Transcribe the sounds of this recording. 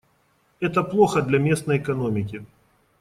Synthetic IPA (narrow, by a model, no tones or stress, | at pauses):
ɛt̪əplˠoxəd̪lʲɐmʲe̞snəjɛkɐnomʲɪk̬ʲɪ